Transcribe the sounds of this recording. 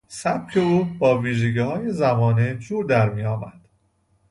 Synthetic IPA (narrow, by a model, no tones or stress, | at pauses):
sæb̥̚cʰe̞uːbɒːviːʒeɟiːhɒːje̞zæmɒːned͡ʒuːɾd̪æɾmiːjɒːmæ̰d̪̥